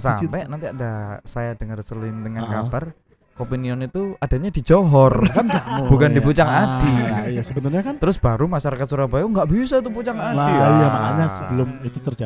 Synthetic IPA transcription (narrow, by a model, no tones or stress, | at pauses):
sa̰mpɛnant̪iadasajadəŋərsəlɪnd̪əŋankabar | kopiniɔnit̪uad̥aɲadi̤d͡ʒoɦɔrkand͡ʒab̥ukandiput͡ʃaŋadijasəbənʊrɲakant̪əɾʊsb̥aɾumaʃaɾakat̪suɾabajuŋɡaʔbisait̪uput͡ʃaŋaldaijamaa̰ɲasəbəlʊmit̪ut̪ərd͡ʒa